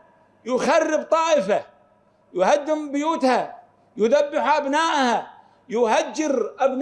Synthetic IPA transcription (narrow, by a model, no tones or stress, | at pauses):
jʊxarːɪbt̪ˤɑːʔɪfa | jʊhad̪ːɪmbɪjuːt̪ha | jʊðabːɪħʔabnaːʔha | jʊhad͡ʒːɪɾʔabn